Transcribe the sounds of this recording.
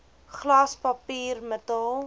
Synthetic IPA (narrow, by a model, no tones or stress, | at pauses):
χlaspɐpiːrmətəlˠ